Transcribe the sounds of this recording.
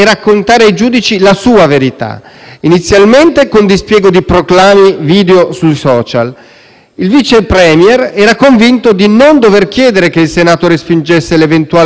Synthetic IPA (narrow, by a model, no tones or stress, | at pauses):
ɛrakːont̪aːɾeajd͡ʒuːd̪it͡ʃilasuːaveɾit̪a̰init̪sːjalment̪ekond̪ispjɛːɡod̪ipɾoklaːmiviːd̪eosujsɔːt͡ʃa̰l | ilvit͡ʃepɾɛmjɛrɛːɾakoɱvint̪od̪inond̪overkjɛːd̪eɾekeilsenaːt̪oɾespind͡ʒesːelevent̪uaː